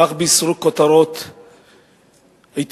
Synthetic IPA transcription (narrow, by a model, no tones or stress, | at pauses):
aχbeisɾukot̪aɾot̪ | ajt̪